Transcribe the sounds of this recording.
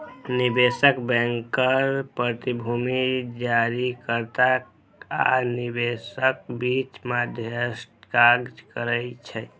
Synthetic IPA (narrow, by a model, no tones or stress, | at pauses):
nibesəkbɛ̃ŋkəɾpɾət̪ibʱumid͡ʒaɾikəɾt̪a | a̰nibesək̚bit͡ʃmad̪ʱjəsʈkaɡd͡ʒkəɾəjt͡ʃʰɛ